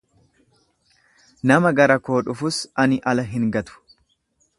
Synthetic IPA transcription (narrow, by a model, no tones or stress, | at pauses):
nɐmɐɡɐɾɐko̞ːᶑʊfʊsɐnɪʔɐlɐɦɪŋɡɐt̪ʊ̥